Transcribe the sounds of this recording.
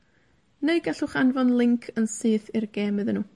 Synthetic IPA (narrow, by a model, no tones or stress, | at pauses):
neɨɡ̥aɬʊχanvɔnlˠɪŋkʰənsɨːθɪrɡeːmɨðənuː